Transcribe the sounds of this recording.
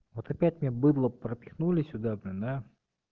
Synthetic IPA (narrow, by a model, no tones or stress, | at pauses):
vot̪ɐpʲæt̚ʲmnʲebɨd̪lˠəpɾəpʲɪxnulʲɪsʲʊd̪abnəd̪a